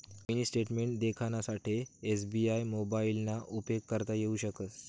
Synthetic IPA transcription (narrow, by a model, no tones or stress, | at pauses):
iniːsʈeʈmeɳʈd̪ekʰanasaʈʰiesbiajmobailnaʔupekːəɾt̪ajeuɕəkət̪